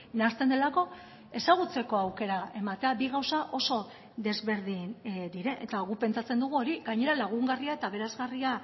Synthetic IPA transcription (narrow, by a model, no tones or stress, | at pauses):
nast̪end̪e̞lako̞ | e̞saɣ̞ut͡se̞ko̞awke̞ɾae̞mat̪e̞abiɣawsaʔo̞so̞ | ðe̞zβe̞ɾðind̪iɾe̞nʔet̪aɣupe̞nt͡sat͡se̞nd̪uɣ̞uo̞ɾiɡaɲe̞ɾalaɣ̞uŋɡariae̞t̪aβe̞ɾazɣaria